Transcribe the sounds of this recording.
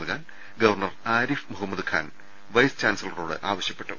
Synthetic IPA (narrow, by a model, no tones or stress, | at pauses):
ɨkʰaːn | ɡɐʋɐrɳɐraːɾifmuɦɐmːɐd̪kʰa̰ːn | ʋɐjst͡ɕaːnsɐlɐro̰ːɽɨ̰ʔaːʋɐɕjɐpːe̞ʈːṵ